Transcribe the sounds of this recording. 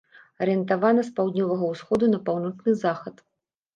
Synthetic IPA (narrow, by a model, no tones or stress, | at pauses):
ɐɾɨɛnt̪avanɐspawd̪ʲnʲɔvɐɣɐwsxɔd̪unɐpawnɔt͡ʂnɨzaxɐt̪